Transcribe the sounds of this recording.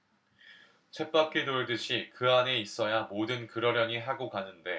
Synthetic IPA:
t͡ɕʰe̞p͈akʰidoɭdɯɕʰikɯane̞is͈ʌjamodɯnkɯɾʌɾjʌɲiɦaɡokanɯnde̞

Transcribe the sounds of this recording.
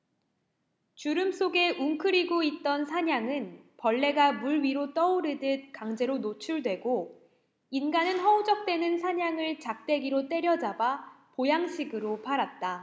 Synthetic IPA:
t͡ɕuɾɯms͈ʰoɡe̞ʔuŋkʰɯɾiɡoit̚t͈ʌnsʰaɲaŋɯnpʌɭːe̞ɡamuɭɥiɾot͈ʌuɾɯdɯt̚kaŋd͡ʑe̞ɾonot͡ɕʰuɭdwe̞ɡo | inɡanɯnɦʌud͡ʑʌk̚t͈we̞nɯnsʰaɲaŋɯɭt͡ɕak̚t͈e̞ɡiɾot͈e̞ɾjʌd͡ʑaba | pojaŋɕʰiɡɯɾopʰaɾat̚t͈a

